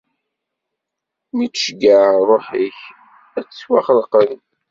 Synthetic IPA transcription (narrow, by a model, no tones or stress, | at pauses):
mit͡sʃɡəʕɾˤoħiç | æt͡sːwaχəlqən